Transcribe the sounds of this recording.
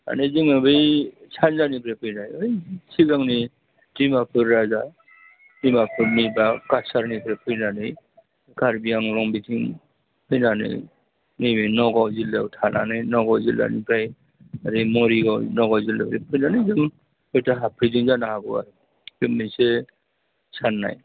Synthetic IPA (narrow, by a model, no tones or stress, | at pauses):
a̰nɯzɯŋɯbɯjsʰanzanipʰɾajpʰɯjnajɯjsʰiɡaŋni | dimapʰɯɾːaza | dimapʰɯɾnibakasaɾnipʰɾajpʰɯjnanɯj | ɡaɾbijaŋlɔŋbitʰiŋ | pʰɯjnanɯ̰j | nibinɔɡawzilawtʰanʔa̰nɯjnɔɡawzilːa̰nipʰɾaj | aɾimɔɾiɡawnɔɡawzilabɾipʰɯjnanɯjzɯm | ɔjtaɦapʰɾidiŋzanahaɡɯa̰ɾɯ | dɯmːise | sʰanːa̰j